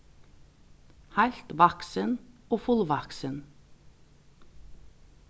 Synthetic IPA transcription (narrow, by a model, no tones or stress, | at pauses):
hælt̪ʋɑksənoːfʉlʋɑksən